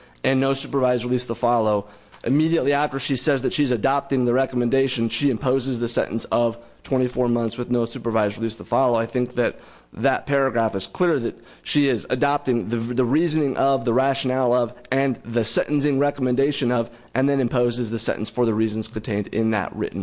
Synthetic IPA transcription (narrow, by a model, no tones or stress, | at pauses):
ɨ̃nːoʊsʉpə˞vaɪzɹilisðəfɑlˠoʊ | ʔɨmiɾiɨtˡliæftə˞ʃisɛzðɨtʃiɨzɨdɑp̚tɪ̃ŋðɨɹɛkəmɨ̃ndeɪʃɨ̃n̩ʃiɨ̃mpʰoʊzɨzðɨsɛ̰̃ʔn̩sʌv̥ | tʰw̥ɛ̃ɾ̃ifɔɹmʌ̃nθswɨðnoʊsʉpə˞vaɪzɹilisðəfɑlˠoʊaɪθɪ̃ŋk̚ðɨt̪̚ | ðɨt̚pʰɛɹɨɡɹæfɨz̥kʰl̥ɪɹðɨt̚ | ʃiɪzɨdɑp̚tɪ̃ŋðɨðəɹizɨnɪ̃ŋʔʌvðəɹæʃɨnælˠʌvɨ̃nðɨsɛ̃ʔn̩sɪ̃ŋɹɛkəmɨ̃ndeɪʃɨ̃nʌv | ʔɨ̃nðɨ̃ñɨ̃mpʰoʊzɨzðɨsɛ̰̃ʔn̩sfə˞ðɨɹiz̃n̩z̥kʰɨ̃n̩tʰẽɪ̃ndɪ̰̃nðɨ̰ʔ̚ɹɪ̰ʔn̩